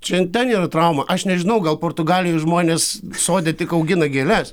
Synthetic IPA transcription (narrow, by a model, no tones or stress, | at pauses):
t͡ʃʲɛt̪ʲɛniːrɐt̪ɾɐʊmɐʔɐʃnʲɛʒʲɪnɐʊɡɐlˠpoːrt̪ʊɡɑːlʲɪjʊʒmoːnʲeːssoːd̪ʲet̪ʲɪkɐʊɡʲɪnɐɡʲeːlʲɛs